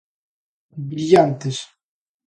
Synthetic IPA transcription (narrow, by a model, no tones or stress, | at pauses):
bɾiʎant̪es